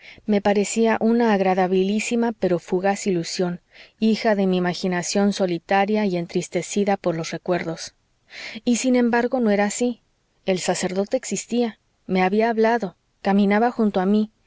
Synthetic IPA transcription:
me̞paɾe̞siaʔunaːɣɾaðaβilisimape̞ɾo̞fuɣasilusjo̞nixaðe̞miːmaxinasjo̞nso̞lit̪aɾjaie̞nt̪ɾist̪e̞siðapo̞ɾlo̞sre̞kwe̞ɾðo̞s | isinẽ̞mbaɾɣo̞noe̞ɾaːsi | e̞lsase̞ɾðo̞t̪e̞ːksist̪ia | me̞aβiaːβlaðo̞ | kamĩnaβaxunt̪oami

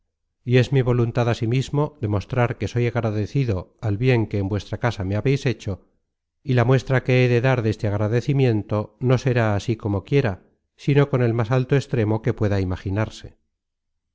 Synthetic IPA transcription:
ie̞zmiβ̞o̞lunt̪aðasimizmo̞ðe̞mo̞st̪ɾaɾke̞so̞jaɣɾaðe̞θiðo̞alβje̞ŋke̞ːmbwe̞st̪ɾakasameaβe̞jse̞t͡ʃo̞ | ilamwe̞st̪ɾake̞eðe̞ðaɾðe̞st̪eaɣɾaðe̞θimje̞nt̪o̞no̞se̞ɾaːsiko̞mo̞kje̞ɾa | sino̞ko̞ne̞lmasalt̪oest̪ɾe̞mo̞ke̞pwe̞ðaimaχinaɾse̞

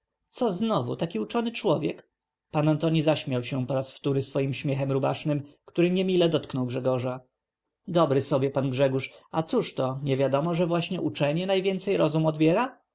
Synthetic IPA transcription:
t̪sɔznɔvṵt̪akʲiut͡ʂɔnɘt͡ʂwɔvʲjɛk | panant̪ɔɲizaɕmʲjawɕɛpɔɾasft̪uɾɘsfɔjimɕmʲjɛxɛmɾubaʂnɘmkt̪uɾɘɲɛmʲilɛd̪ɔt̪knɔwɡʐɛɡɔʐa | d̪ɔbɾɘsɔbʲjɛpanɡʐɛɡuʂat̪suʂt̪ɔɲɛvʲjad̪ɔmɔʐɛvwaɕɲɛʔut͡ʂɛɲɛnajvʲjɛnt̪sɛjɾɔzumɔd̪bʲjɛɾa

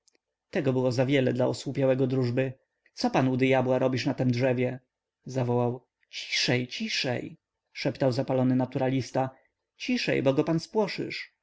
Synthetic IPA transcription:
t̪ɛɡɔbɘwɔzavʲjɛlɛd̪laɔswupʲjawɛɡɔd̪ɾuʐbɘ | t̪sɔpanud̪ɘjabwaɾɔbʲiʂnat̪ɛmdʐɛvʲjɛ | zavɔwaw | t͡ɕi̥ʂɛjt͡ɕiʂɛ̰j | ʂɛpt̪awzapalɔnɘnat̪uɾalʲist̪a | t͡ɕiʂɛ̰jbɔɡɔpanspwɔʂɘ̰ʂ

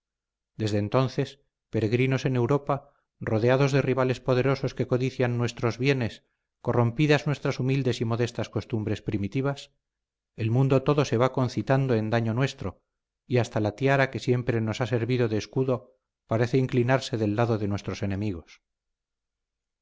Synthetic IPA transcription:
d̪e̞zðe̞ːnt̪o̞nθe̞s | pe̞ɾe̞ɣɾino̞se̞ne̞wɾo̞pa | roðeaðo̞zðe̞riβale̞spoðe̞ɾo̞so̞ske̞ko̞ðiθjanːwe̞st̪ɾo̞zβje̞ne̞s | ko̞ro̞mpiðaznwe̞st̪ɾasumild̪e̞simo̞ðe̞st̪asko̞st̪umbɾe̞spɾimit̪iβ̞as | e̞lmũnd̪o̞t̪o̞ðo̞se̞β̞ako̞nθit̪and̪oe̞nd̪aɲo̞nwe̞st̪ɾo̞ | iast̪alat̪jaɾake̞sje̞mpɾe̞no̞sase̞ɾβiðoðe̞ːskuðo̞ | paɾe̞θeiŋklinaɾse̞ðe̞lːaðo̞ðe̞nwe̞st̪ɾo̞se̞nẽ̞miɣ̞o̞s

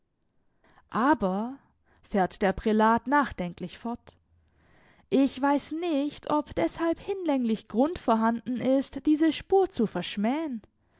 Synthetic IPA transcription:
ʔaːbɐ | fɛːɐtd̥eːɐpʁ̥ilaːtnaːχd̥ɛŋklɪçfɔɐt | ʔɪçv̥aɪsnɪçtʰɔpd̥ɛshalphɪnlɛŋlɪçɡ̥ʁʊntfɔːɐɦandn̩ʔɪstd̥iːzəʃpuːɐt͡sufɛɐʃmɛːən

